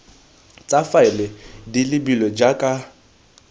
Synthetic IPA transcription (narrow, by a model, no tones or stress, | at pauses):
t͡sʼafaɪlɪdilɪbilɔd͡ʒakʼa